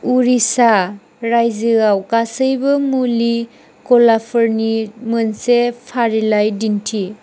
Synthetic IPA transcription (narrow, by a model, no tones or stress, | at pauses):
uɾisa | ɾajzɯawkasəjbɐmuli | kɔlapʰɔɾnimɯnsepʰaɾilajdintʰi